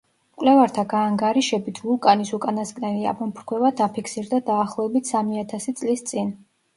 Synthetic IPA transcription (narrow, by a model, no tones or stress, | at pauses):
kʼlɛvaɾt̪ʰaɡaːŋɡaɾiʃɛbit̪ʰvulˠkʼanisukʼanaskʼnɛlia̰bɔmpʰɾkʰwɛvad̪apʰikʰsiɾd̪ad̪aːχlˠɔɛbit̪ʰsamiat̪ʰasit̪sʼlist̪sʼin